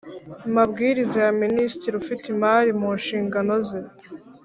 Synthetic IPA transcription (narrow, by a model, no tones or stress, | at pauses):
imabɡiːɾizejaministɾiɾufitimaːɾimuːnʃiːŋɡano̞ze